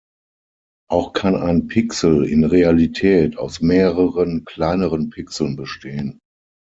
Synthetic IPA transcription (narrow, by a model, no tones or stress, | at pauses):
ʔaʊxkʰana̰ɪnpʰɪksl̩ɪ̰nʁealitʰɛːtʰa̰ʊsmeːʁəʁənkʰl̥aɪnəʁənpʰɪksl̩nbəʃtʰeːən